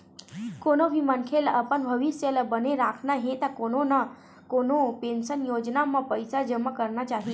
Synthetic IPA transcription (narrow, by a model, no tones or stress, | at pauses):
konobʱimənkʰelaʔəpəɳbʱəʋisjəlabəneɾakʰnaɦet̪akonona | konopensənjod͡ʒnamãpəjsad͡ʒəməkəɾnat͡ʃaɦi